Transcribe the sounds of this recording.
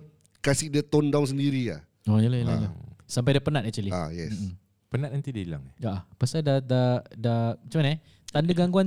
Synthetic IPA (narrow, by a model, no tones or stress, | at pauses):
kasidət̪ɔndawns̬əndiɾia̰ | ojəlahjəlalasamp̬ajdapənat̪̚ak̚t͡ʃualia̰jɛ̰s | pənat̪̚ant̪idiila̰ŋaʔapasadadadat͡ʃuman | t̪andəɡaŋɡuan